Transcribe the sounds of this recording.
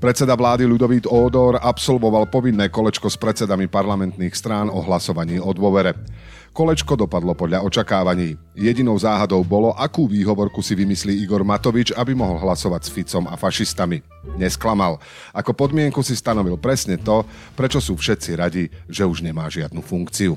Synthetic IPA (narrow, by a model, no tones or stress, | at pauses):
pɾɛt̪t͡sɛd̪aʋlaːd̪ilud̪ɔʋiːd̪ɔːd̪ɔɾapsɔlʋɔʋalpɔʋinːɛːkɔlɛt͡ʃkɔspɾɛt͡sɛd̪amipaɾlamɛnt̪niːxst̪ɾaːnɔɦlasɔʋaɲiːɔd̪ʊɔʋɛɾɛ | kɔlɛt͡ʃkɔd̪ɔpad̪lɔpɔd̪ʎaɔt͡ʃakaːʋaɲiː | jɛɟinɔʊzaːɦad̪ɔʊbɔlɔʔakuːʋiːɦɔʋɔɾkusiʋimisliːiɡɔɾmat̪ɔʋit͡ʃabimɔɦɔlɦlasɔʋaɟsfit͡sɔma̰faʃist̪ami | ɲɛsklamal | akɔpɔd̪mɪɛŋkusist̪anɔʋilpɾɛsɲɛt̪ɔ | pɾɛt͡ʃɔsuːfʃɛt̪t͡siɾaɟiʒɛuʒɲɛmaːʒɪad̪̚nufuŋkt͡siu